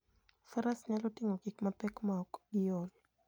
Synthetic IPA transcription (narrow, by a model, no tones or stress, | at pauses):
faɾasɲalotiŋoɡikmapɛkmaɔkɪjol